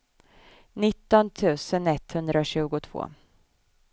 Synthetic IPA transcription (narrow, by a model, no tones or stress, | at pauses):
nɪt̪ːɔnt̪ʰʉ̟ːsənɛt̪hɵnd̪ɾaɕʉ̟ːɡʊt̪ʰv̥o̰ː